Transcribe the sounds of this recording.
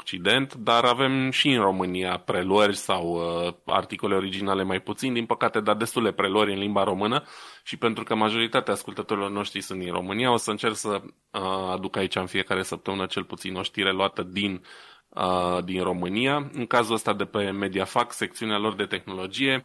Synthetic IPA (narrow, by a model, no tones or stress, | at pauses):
okt͡ʃid̪e̞nt̪d̪aɾave̞mʃiɨnro̞mɨnijapɾe̞luərʲsawəa̰rt̪iko̞le̞o̞ɾid͡ʒinale̞majput̪sind̪inpəkat̪e̞d̪ad̪e̞st̪uld̪e̞pɾe̞luəɾʲɨnlimbaɾo̞mɨnəʃipe̞nt̪ɾukəmaʒo̞ɾit̪at̪eaːskult̪ət̪o̞ɾilo̞rno̞ʃt̪ɾisunt̪d̪inro̞̰mɨnijao̞səɨnt͡ʃe̞rksə | ad̪ukait͡ʃaɨnfije̞kaɾe̞səp̚t̪əmɨnət͡ʃe̞lput̪sino̞ʃt̪iɾeluat̪əd̪in | əd̪inro̞mɨniaɨŋkazuləst̪ad̪e̞pe̞me̞d̪iafakse̞kt̪siunealo̞rd̪e̞t̪e̞xno̞lo̞d͡ʒije̞